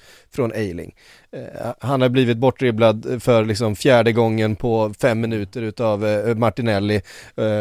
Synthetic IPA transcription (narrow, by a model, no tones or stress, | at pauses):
fɾɔnʔejlɪ̰ŋ | hanhaɾbliːvɪt̪̚bɔʈːɾɪblad̪fœɾlɪksɔmfjæːɖəɡɔŋːənpʰɔfɛmːɪnʉ̟ːt̪əɾʉ̟ːt̪avmaʈɪnɛlːɪ